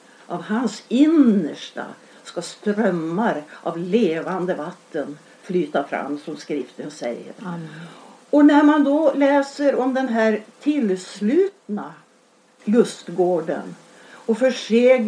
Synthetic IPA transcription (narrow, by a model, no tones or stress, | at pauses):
ʔavhansɪnːəʂʈa̰ | skast̪ɾœmːaɾʔavleːvand̪əvat̪ʰːən | flyːt̪afɾa̰mːsɔmskɾɪft̪ənsɛ̰jːə̰ɾ | ɔnæɾmand̪ɔlɛːsəɾɔmd̪ɛnɦæɾt̪ʰɪlslʉ̟ːt̪na | lɵst̪ɡoːɖə̰n | ɔfœʂeː